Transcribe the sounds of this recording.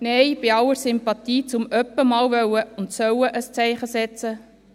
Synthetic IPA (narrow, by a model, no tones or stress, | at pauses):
nɛjb̥ɪɑwəɾsʏmpɑt̪iːt͡sʊmœpːəmɑːlvœwəʊnt̪sœwəʔəst͡sɛɪχəsɛt͡sə